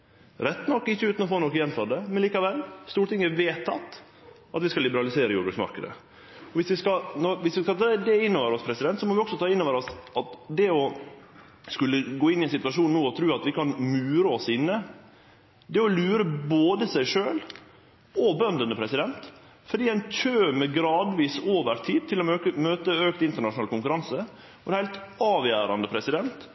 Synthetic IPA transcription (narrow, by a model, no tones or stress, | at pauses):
ɾɛt̪ːnɔkːɪçːəʉːt̪n̩ɔfoːnɔkːəjɛnt̪ɑd̪əmɛnliːkɑʋɛlːst̪uːʈɪŋːəʋeːt̪ʰːɑt̪ː | ɑt̪ʋɪskɑlɪbəɾɑlɪseːɾəjuːbʉsmɑ̰ɾkəd̪ə̰ | ɔʋɪsʋɪskɑnɔɾʋɪsʋɪskɑt̪ʰɑːd̪ɛɪnːɔʋəɾɔspʰɾɛsɪd̪ɛnt̪sɔmɔʋɪɔksɔt̪ʰɑːɪnːɔːʋəɾɔsɑt̪d̪ɛɔ | skʉlːəɡoːɪnːɪɛnsɪt̪ʋɑʂuːnnuːɔt̪ʰɾʉːɑt̪ʋɪkʰɑnmʉːɾəɔsɪnːə | d̪ɛɔlʉːɾəboːd̪əsæɪʂøːl | ɔbœnd̪ənəpʰɾɛsɪd̪ɛnt̪ | fɔɖ̪iːæɪnc͡çʰøːmɛɡɾɑːd̪ʋiːsoːʋəɾt̪ʰiːd̪̚t̪ʰɪlɔømøːt̪əøːk̚t̪ɪnt̪əɳɑʂʊnɑːlkʊŋkʉɾɑnsə | ɔhæɪlt̪ɑːʋjæːɾɑnd̪əpʰɾɛsɪd̪ɛnt̪